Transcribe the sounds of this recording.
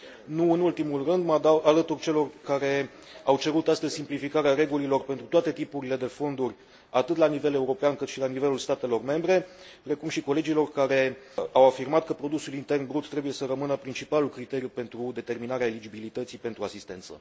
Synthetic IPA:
nuɨnult̪imulrɨnd̪md̪aalət̪urʲt͡ʃe̞lo̞rkaɾe̞ | awt͡ʃe̞ɾut̪ast̪əz̥ʲsimplifikaɾeaɾe̞ɡulilo̞rpent̪ɾut̪oat̪e̞t̪ipuɾile̞d̪e̞fo̞nd̪urʲ | at̪ɨt̪lanive̞le̞uɾo̞peankɨt̪ʃilanive̞lulst̪at̪e̞lo̞rme̞mbɾe̞ | pɾe̞kumʃiko̞le̞d͡ʒilo̞rkaɾe̞ | awafirmat̪̚kəpɾo̞d̪usulint̪e̞rnbɾut̪ːɾe̞buje̞səɾəmɨnəpɾint͡ʃipalulkɾit̪e̞ɾjupe̞nt̪ɾud̪e̞t̪e̞rminaɾeaelid͡ʒibilit̪ət̪sipe̞nt̪ɾuasist̪e̞nt̪sə̰

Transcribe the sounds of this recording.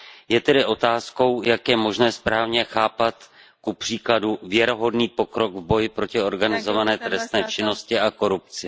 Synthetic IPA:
jɛt̪ɛdɪʔo̞t̪aːsko̞wjakjɛmo̞ʒnɛːspɾaːvɲɛxaːpat̪ | kupr̥iːkladuvjɛɾo̞ɦo̞dniːpo̞kɾo̞ɡvbo̞jɪpɾo̞cɪo̞ɾɡanɪzo̞vanɛːt̪ɾɛst̪nɛːt͡ʃɪno̞scɪʔako̞ɾupt͡sɪ

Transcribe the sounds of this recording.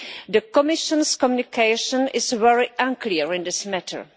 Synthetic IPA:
d̪əkɔmɪʃɔ̃nskɔmjunɪkʰeɪʃə̃nɪsvɛɹiʔãnkliəɹɪ̃ndɪsmɛtʰə̰ɹ

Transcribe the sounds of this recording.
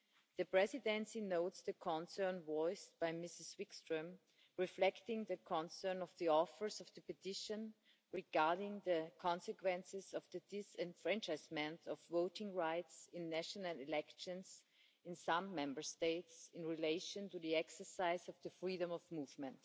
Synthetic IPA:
ðɨpɹɛzɪdɛ̃nsinoʊtsðɨkʰɔ̃nsɜ̃˞nwɔɪst̚b̥aɪmɪsɨzwɪkstɹə̃m | ɹɪflɛktɪ̃ŋðɨkʰɔ̃nsɜ̃˞nɔvðiɔfə˞zʌvðəpɨtʰɪʃə̃n | ɹiɡaɹɾɪ̃ŋðəkʰɑ̃nsɨkʰwɛ̃nsɪzɔvðɨdɪsɛ̃nfɹɛ̃nt͡ʃaɪzmɛ̃ntʰɔvvoʊtɪ̃ŋɹaɪtsɪ̃nːæʃənəlɪlɛkʃɨ̃ns | ɪ̃nsãmːɛ̃mbə˞steɪtsɪ̃nɹileɪʃə̃ntuðiɛksə˞saɪzʌvðəfɹiɾə̃mɔvmuːvmə̃nt

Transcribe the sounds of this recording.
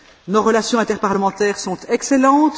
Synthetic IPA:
noʁəlasjɔ̃ɛ̃t̪ɛʁpaʁləmɑ̃t̪ɛːʁsɔ̃t̪ɛkselɑ̃t̪

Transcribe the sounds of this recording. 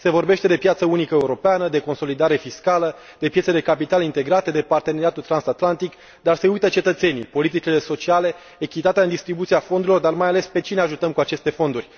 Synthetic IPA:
se̞vo̞rbe̞ʃt̪e̞d̪e̞pjat̪səunikəeuɾo̞peanəd̪e̞ko̞nso̞lid̪aɾe̞fiskalə | d̪̥e̞pjesed̪e̞kapit̪alint̪e̞ɡɾat̪ed̪e̞part̪eneɾiat̪ult̪ɾansat̪lant̪ik | d̪arse̞ujt̪ət͡ʃe̞t̪ət̪se̞nipo̞lit̪̬it͡ʃile̞so̞t͡ʃiale̞ː | kʲit̪at̪eaɨnd̪ist̪ɾibut̪siafo̞nd̪uɾilo̞rd̪armajale̞spe̞t͡ʃineaʒut̪əmkuat͡ʃe̞st̪e̞fo̞nd̪urʲ

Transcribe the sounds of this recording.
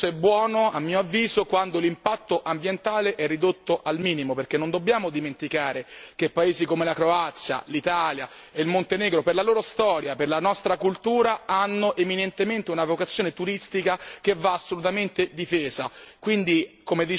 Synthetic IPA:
ɛbːwɔːnoamːiːoavːiːzokwand̪olimpat̪ːoʔambjent̪aːleʔɛrːid̪ot̪ːoʔalmiːnimoperk̟enːond̪obːjaːmod̪iment̪ikaːɾek̟epːaeːzikomelakɾoat̪sːja̰lit̪aːlja | eilmont̪enɛːɡɾoperlaloːɾost̪ɔːɾjaperlanɔst̪ɾakult̪uːɾaanːoʔeminent̪ement̪eunavokat̪sjoːnet̪uɾist̪ikak̟evːaːsːolut̪ament̪ed̪ifeːzakwind̪ikomed̪i

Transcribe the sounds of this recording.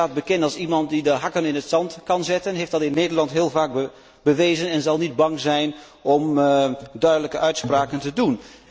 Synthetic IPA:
aːt̚bəkɪntɑlˠsimɑnt̚didəɦɑkənɪnətsɑntkɑnzɪtənɦejftdɑtɪnːeːdəɹlɑntɦɪːlˠvaːk̚b | bəʋeːzənɛnzɑlˠnid̚bɑŋzɛjn | ʔɔmdœɥdələkəʔœɥtspraːkəntədun

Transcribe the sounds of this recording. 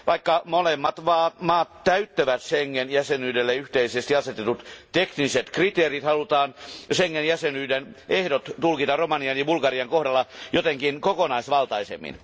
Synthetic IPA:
ʋɑikːɑmolemːɑt̪ʋɑːmɑːt̪t̪æyt̪ːøʋæt̪seŋːenjæsenyːdelːeyht̪eisest̪iɑset̪et̪ut̪t̪ekniset̪krit̪eːrit̪hɑlut̪ɑːnseŋːenjæsenyːdenehdot̪t̪ulkit̪ɑromɑniɑnjɑbulkɑriɑŋkohdɑlːɑjot̪eŋkinkokonɑisʋɑlt̪ɑisḛmːḭn

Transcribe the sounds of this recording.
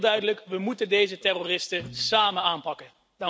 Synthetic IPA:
dœɥdələkʋəmutəndejzətɛroːrɪstəsaːmənaːnpɑkən | d̥ɑ

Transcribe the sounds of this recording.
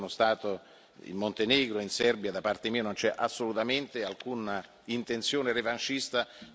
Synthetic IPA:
nost̪aːt̪o | ḭmːont̪eneːɡɾoinsɛrbjad̪apart̪emiːanont͡ʃɛʔasːolut̪ament̪ealkuna | int̪ent̪sjoːnerevant͡ʃist̪a

